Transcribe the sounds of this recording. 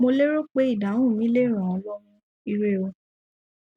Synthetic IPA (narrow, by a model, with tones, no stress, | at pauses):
mo˧le˦ɾo˦k͡pe˦i˦˨dã˨˦ũ˦˨mĩ˨˦le˦˨ɾ̃ã˨ɔ˧lɔ˦ɾũ˦ | i˧ɾe˦o˧